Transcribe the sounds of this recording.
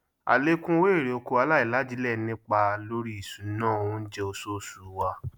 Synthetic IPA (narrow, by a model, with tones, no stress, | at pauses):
a̰˨le˦kũ˦we˦˨ɾi˨o˧ko˧a˧la˦i˨la˦d͡ʒi˨˦lɛ˦˨˦nĩ˦k͡pa˧lo˦ɾi˦i˦˨su˨˦nãː˦˨o˨˧ũ˦n̩˦d͡ʒɛ˦o˧so˦˨su˨˦wa˧